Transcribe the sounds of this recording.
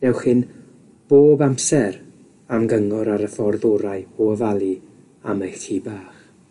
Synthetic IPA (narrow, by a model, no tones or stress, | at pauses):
nɛwχhɪn | b̥oːbamsɛɾ | amɡəŋɔɾaɾəfɔrðɔɾaɨoəvalˠi | a̰mejɬtʰiːbaːχ